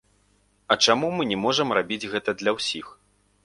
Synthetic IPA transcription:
ɐt͡ʂamumɨnʲɛmɔʐɐmrabʲid͡zʲɣɛt̪ɐd̪lʲɐwsʲix

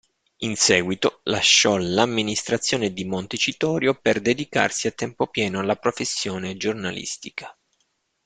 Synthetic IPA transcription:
insɛːɡwit̪olaʃːɔlamːinist̪ɾat̪sːjoːned̪imont̪et͡ʃit̪ɔːɾjoperd̪ed̪ika̰rsiat̪ːɛmpopjɛːnoalːapɾofesːjoːned͡ʒornalḭst̪ikʰḁ

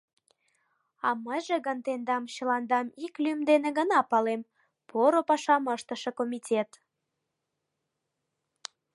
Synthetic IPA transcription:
ɑməjʒĕɣənt̪end̪ɑmɕəlɑnd̪ɑmiklymd̪eneɣənɑpɑlem | poɾopɑʃɑməʃt̪əʃekomʲitʲet̪

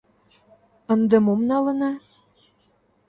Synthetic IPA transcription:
ə̆nd̪ɤ̆momnɑlɤ̆nɑ

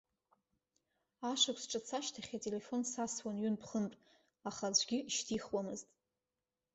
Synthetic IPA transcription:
aʂakʷsʈ͡ʂʼat͡sʰaʃtʰaχʲatʼele̞fo̞nsaswanɥʏnpʰχəntʼ | aχad͡ʒʷɡʲɪʃtʰiχwamɨztʼ

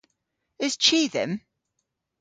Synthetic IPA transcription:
ɪz̥t͡ʃʰiːðɪ̰̃m

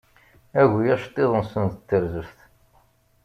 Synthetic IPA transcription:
æʝijæʃt̪ˤːeðˤənsənt̪ət̪ːəɾzəfθ

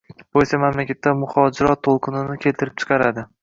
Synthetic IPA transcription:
b̥ojsamamlakʲat̪ːamʊhɒd͡ʒɪɾɒt̪ʰːolˠqʰɨnʊnɪkʲʰe̞lt̪ʰɪɾɪp̚t͡ʃʰɨ̥qʰɑɾad̪ɪ

